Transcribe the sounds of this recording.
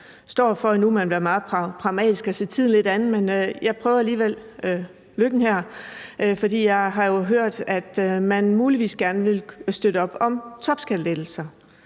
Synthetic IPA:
sd̥ɒ̰ːfɒnumænʋæːɐmɑ̈ːð̩ˠpʰʁɑ̈ʊmɛ̰ːd̥isɡ̥ɒse̝̰ːt͡sʰiðˠn̩le̝d̥ænð̩ˠmenøjɑ̈ɪpʰʁœːʊɐæliːʋel̰ | løɡ̥n̩hæɐ̰ʔfɒ̽d̥ḭːjɑ̈ɪɦɑ̈jo̝ɦøɐ̰d̥æd̥mænmuːliʋḭːsɡ̥æɐnəʋe̝lsd̥øɾ̥əɒ̽b̥ɒ̽mt͡sʰɒ̽b̥sɡ̥æled̥l̩sɐ

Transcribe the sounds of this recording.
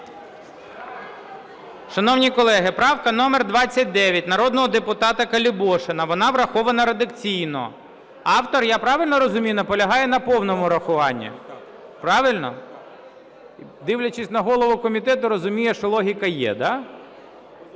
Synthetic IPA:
ʃɐnɔwnʲikɔlˠɛɦɪpɾɑwkɐnɔmerd̪ʋɑt͡sʲːɐt̚ʲd̪ɛʋʲjɐtʲnɐɾɔd̪nɔɦɔd̪epʊt̪ɑt̪ɐkɐlʲɪbɔʃenɐʋɔnɑʋɾɐxɔʋɐnɐɾed̪ɐkt͡sʲijnɔ̰ | ɑwt̪ɔrjɑpɾɑʋɪlʲnɔɾɔzʊmʲijnɐpɔlʲɐɦɑjɛnɐpɔwnɔmʊɾɐxʊʋɑnʲːḭ | pɾɑʋɪlʲnɔ̰ | d̪ɪwlʲɐt͡ʃɪsʲnɐɦɔlˠɔʋʊkɔmʲit̪ɛt̪ʊɾɔzʊmʲijɛʃt͡ʃɔlˠɔɦʲikɐjɛ̰d̪ɑ

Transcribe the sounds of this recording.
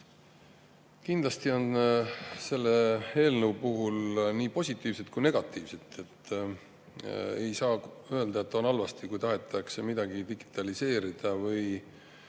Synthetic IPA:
kind̪̥lɑst̪io̞n | se̞lːe̞e̞ːlnəwpuɦulniːpo̞sʲit̪ːˑiːvset̪̚kujne̞ɡ̥ɑt̪ːˑiːvse̞t̪ːe̞t̪ː | e̞̰jsɑːø̞eld̪̥ɑet̪ːˑo̞nɑlvɑst̪ikujt̪ɑɦe̞t̪ːˑɑksemid̪̥ɑɡ̥id̪iɡ̥i̥t̪ˑɑlise̞ːɾid̪̥ɑvɤj

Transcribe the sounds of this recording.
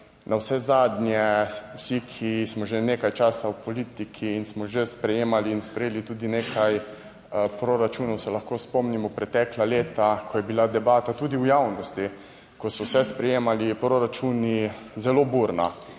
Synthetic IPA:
nʔawsɛzaːd̪njɛwsikʰismɔʒeneːkajt͡ʃaːsawpɔliːt̪ikʰiːnsmɔʒespɾɛjeːmaliːnspɾɛjeːlit̪uːd̪ineːkʰaj | pɾoɾat͡ʃuːnɔwsɛlaxkoːspomnimɔpɾɛt̪ɛːklaleːt̪akʰɔjɛbilad̪ɛbaːt̪at̪uːd̪iwjawnɔst̪i | kɔsɔwsɛspɾɛjeːmalipɾoɾat͡ʃuːni | zɛloːbuɾna̰

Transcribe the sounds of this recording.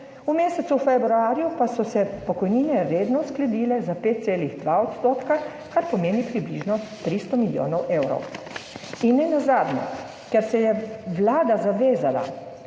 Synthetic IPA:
umeːsɛt̪suwfɛbɾuaːɾjupasɔsɛpɔkɔjninɛɾeːd̪nɔsklɛd̪iːlɛzapeːt̪̚seːliɣd̪ʋaɔt̪st̪oːt̪ka | kaɾpɔmeːnipɾibliʒnɔt̪ɾist̪ɔmiljo̰ːnɔwʔeːwɾɔ̰w | inːɛnazaːd̪nɛ̰ | kɛɾsɛjɛʋlaːd̪azaʋeːzala̰

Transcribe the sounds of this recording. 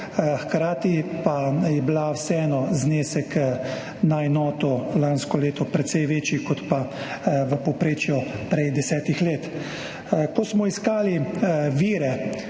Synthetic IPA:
xkɾaːt̪ipajɛblawsɛɛːnɔzneːsɛk | naɛnɔːt̪ɔlaːnskɔleːt̪ɔpɾɛt̪sɛjʋeːt͡ʃjikɔt̪pa | ʋəpɔpɾeːt͡ʃjɔpɾɛjd̪ɛsɛːt̪ixleːt̪ | kɔsmɔiskaːliʋiːɾɛ

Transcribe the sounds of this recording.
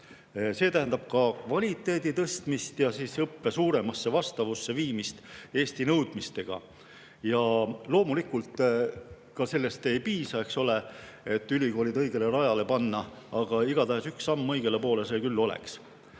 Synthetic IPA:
se̞ːt̪æɦend̪̥ɑb̥̚kɑkvɑlʲit̪ːˑe̞ːd̪it̪ɤst̪mist̪jɑsiːsɤpːe̞suːɾe̞mɑsːe̞vɑst̪ɑvusːe̞viːmist̪e̞ːst̪inɤwd̪̥mist̪e̞ɡ̥ɑ̰ | jɑlo̞ːmulikult̪ˑ | kɑse̞lːe̞st̪e̞jpiːsɑe̞kso̞le̞e̞t̪ːˑylʲiko̞ːlʲid̪ɤ̞jɡ̥e̞le̞ɾɑjɑle̞pɑnːɑ | ɑɡ̥ɑiɡ̥ɑt̪æɦesyksːɑmːɤjɡ̥e̞le̞po̞ːle̞se̞ːkylːo̞lḛks

